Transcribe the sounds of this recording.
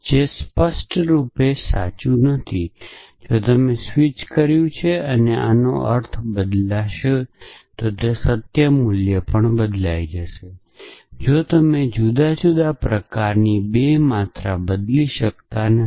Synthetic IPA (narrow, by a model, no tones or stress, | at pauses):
d͡ʒespəsʈɾupesa̰t͡ʃunət̪ʰi | d͡ʒot̪əmesʋit͡ʃkəɾjũt͡ʃʰeəneʔa̰no̰ʔə̰ɾt̪ʰbəd̪laʃet̪ot̪esət̪jəmuljəpəɳbəd̪lajd͡ʒəʃe | d͡ʒot̪əmed͡ʒud̪ad͡ʒud̪apɾəkaɾnibemat̪ɾabəd̪liʃəkt̪an